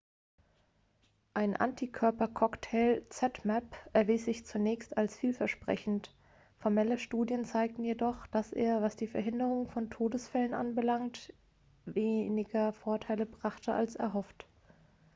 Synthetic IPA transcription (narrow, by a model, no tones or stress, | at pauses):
ʔaɪnʔa̰ntʰikʰœɐpɐkʰɔktʰɛːlt͡sɛtmɛpɛɐviːsz̥ɪçt͡sunɛːçstalsfiːlfɛɐʃpʁ̥ɛ̰çn̩t | fɔɐmɛləʃtuːdjənt͡saɪk̚tn̩jedɔχd̥asʔḛːɐvasd̥iːfɛɐɦɪndəʁ̞ʊŋfɔntʰoːdəsfɛlənʔa̰nbəlaŋt | veːnɪɡɐfoːɐtʰaɪləbʁaχtʰəʔa̰lsɛ̰ɐɦɔft